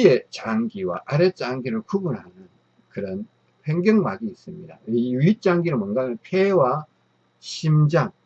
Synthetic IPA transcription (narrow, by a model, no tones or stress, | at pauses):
et͡ɕaŋɡiwa̰ʔaɾet͡ɕ͈aŋɡiɾɯɭkubunhanɯn | kɯɾʌn | ɸeŋɡjʌŋmaɡiːs͈ɯmɲida̰iuit̚t͡ɕ͈aŋɡiɾɯmʌnɡamɯnpʰewa | ɕʰimd͡ʑaŋ